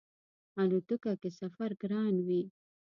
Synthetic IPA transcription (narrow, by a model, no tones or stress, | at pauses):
anut̪ukakesafaɾɡɾɑːnwi